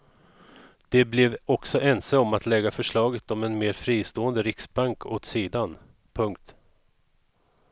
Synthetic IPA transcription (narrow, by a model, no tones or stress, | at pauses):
d̪̥ɛblɛvɔksɔʔɛnsəɔmat̪lɛɡafœʂɭɑːɡət̪ɔmɛnmeːɾfɾiːst̪oːənd̪əɾɪksbaŋkʰoːt̪siːd̪an | pʰɵŋk̚t̪